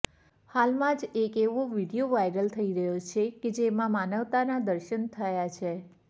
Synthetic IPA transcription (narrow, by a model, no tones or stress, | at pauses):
halmãd͡ʒekeʋoʋiɽijoʋajɾəlt̪ʰəiɾəɦjot͡ʃʰeked͡ʒemãmanəʋt̪anad̪əɾʃənt̪ʰəjat͡ʃʰe